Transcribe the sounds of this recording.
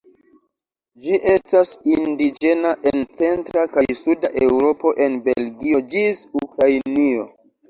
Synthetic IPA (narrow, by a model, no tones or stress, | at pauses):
d͡ʒiʔe̞stasindid͡ʒe̞naʔe̞nt͡se̞ntɾakajsudaʔe̞wɾo̞po̞ʔe̞nbe̞̰lɡio̞d͡ʒisukɾajnio̞̰